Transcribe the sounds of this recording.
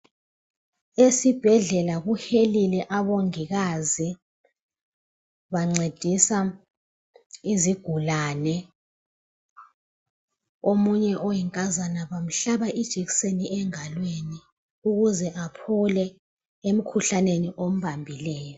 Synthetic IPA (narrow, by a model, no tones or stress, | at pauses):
esib̥ʱɛɮɛlaɣuhelilɛʔaβoŋiɣazi | βaŋ͡ǀed̥ʱisa | iziɡ̥ʱulalɛ | omuɲɛʔɔjɛŋkʼazanaβam̩ɬaɓaʔid̥ʒ̥ʱikseniʔɛŋalweni | uɣuzɛʔapʰulɛ | em̩kʰuɬaneniʔom̩βambʱilɛːjɔ